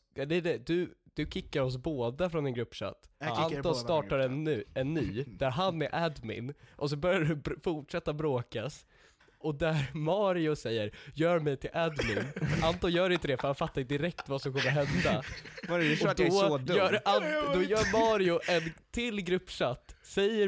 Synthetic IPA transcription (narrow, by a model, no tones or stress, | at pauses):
ɛd̪ɛd̪ɛd̪ɵd̪̥ɵkʰɪkːaɾɔs̬boːd̪afɾɔnɛnɡɾɵpːʂa̰t̪ːant̪ɔst̪ɑːʈaɾɛnːɛnːyːd̪̥æɾɦanːɛɾʔæd̪mɪ̰nʔɔs̬ɔbœɾjaɾɵfʊʈʂɛt̪ːabɾoːkas | ɔd̪æɾmɑːɾɪʊsɛjːəɾjœːɾmɛjt̪ʰɪlʔæd̪mɪnant̪ɔːjœːɾɪnt̪əd̪ɛfœɾhanfat̪ːaɾɪnt̪əd̪ɪɾɛk̚t̪vasɔmkʰɔmːəɾɦɛnd̪a | ɔd̪ɔɔœːand̪ɔjœːɾmɑːɾɪʊʔɛnt̪ʰɪlɡɾɵpːʂat̪ːsɛjːə